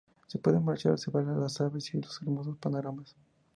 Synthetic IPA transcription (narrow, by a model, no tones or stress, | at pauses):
sepweðenmaɾt͡ʃa̰ɾseβalalasaβesiloseɾmo̞s̬ospanoɾamas